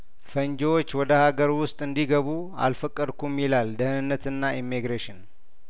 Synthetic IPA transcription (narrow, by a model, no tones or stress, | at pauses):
fəɲd͡ʒɛwot͡ʃːwɔd̪əhaɡəɾwʊst̪ʼɨnd̪iɡəβu | a̰lfəkʼːəd̪kʰumːilald̪əhnɨnːət̪ɨnːaimːiɡɾeʃɪn